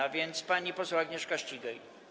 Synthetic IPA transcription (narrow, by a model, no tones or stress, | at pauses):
avʲjɛnt̪spaɲipɔswaɡɲɛʂkaɕt͡ɕiɡaj